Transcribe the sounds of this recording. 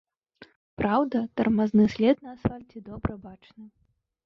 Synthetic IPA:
pɾawd̪ɐt̪ɐrmaznɨsʲlʲɛt̪̚nɐasfalʲt͡sʲid̪ɔbɾɐbat͡ʂnɐ

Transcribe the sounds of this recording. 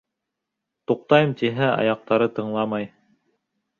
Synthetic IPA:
t̪uq̚t̪ɑjɤmt̪iɦæɑ̰jɑq̚t̪ɑɾɤt̪ɤ̆ɴlˠɑmɑj

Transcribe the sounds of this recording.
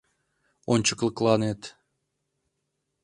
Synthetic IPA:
ont͡ɕə̥klə̆klˠɑnet̪

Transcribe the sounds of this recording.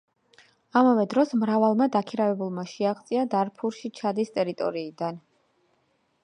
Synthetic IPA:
amavɛd̪ɾɔsmɾavalˠmad̪akʰiɾavɛbulˠmaʃiaʁt̪sʼiad̪aɾpʰuɾʃit͡ʃʰad̪ist̪ʼɛɾit̪ʼɔ̰ɾiːd̪an

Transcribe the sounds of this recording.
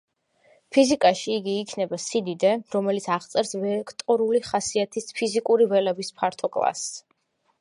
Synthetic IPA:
pʰizikʼaʃiːɡiːkʰnɛbasid̪id̪ɛɾɔmɛlit̪sʰaʁt̪sʼɛɾsvɛkʰt̪ʼɔɾuliχasiat̪ʰispʰizikʼuɾivɛlɛbispʰaɾt̪ʰɔkʼlˠa̰s

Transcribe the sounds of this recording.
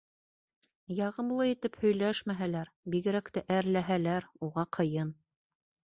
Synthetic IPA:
jɑʁɤ̆mlˠɤit̪ɘphɵ̆jlæʃmæɦælæɾbiɣɘ̆ɾækt̪æʔæɾlæɦælæɾuʁɑqʰɤ̆jɤn

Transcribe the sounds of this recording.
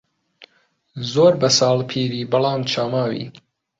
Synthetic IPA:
zoːɾbɐsɑːlpʰiːɾiːbɨlɑːmt͡ʃʰaːmaːwḭː

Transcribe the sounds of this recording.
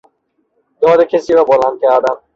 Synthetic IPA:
d̪ɒːd̪ekʰesiːɾɒːbolænd̪̚kʲʰæɾd̪æm

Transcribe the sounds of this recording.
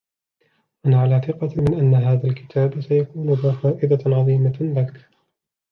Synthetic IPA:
ʔanaʕalaːθɪqɑmɪnʔanːaɦaːðalkɪ̥t̪ʰaːbsajakuːnʊɡafaːʔɪd̪aʕɑðˤiːmalak

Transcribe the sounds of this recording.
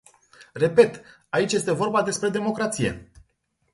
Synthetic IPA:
re̞pe̞t̪ | ait͡ʃʲje̞st̪e̞vo̞rbad̪e̞spɾe̞d̪e̞mo̞kɾat̪sije̞̰

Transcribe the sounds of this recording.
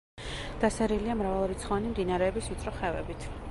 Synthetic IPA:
d̪̥asɛɾiliamɾavalˠuɾit̪sʰχɔanimd̪inaɾɛːbismit̪sʼɾɔχɛvɛbit̪ʰ

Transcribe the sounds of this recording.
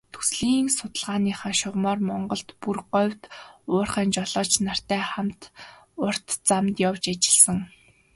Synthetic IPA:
t̪ʰu̥sɮiːŋsʊt̪ə̆ɮʁaːniːχaːʃʊʁmɔːrmɔɴɢɞ̆ɬt̪purɢɔwʲt̪ʊːrχæːnt͡ɕɔɮɔːt͡ɕnar̥t̪æːχamt̪ | ʊr̥t̪t͡samt̪jawt͡ɕat͡ɕɪ̥̆ɮsə̆ŋ

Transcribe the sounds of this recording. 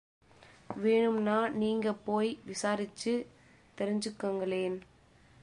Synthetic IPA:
ʋeːɳɯmnaːniːŋɡɐpoːjʋɪsaːɾɪt͡ʃːɯ | t̪ɛɾɪɲd͡ʒɯkːɐŋɡɐɭeːn

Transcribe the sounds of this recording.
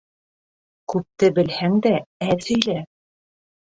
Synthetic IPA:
kʉp̚t̪ɘbɘ̆lhæŋd̪ææðɵ̆jlæ

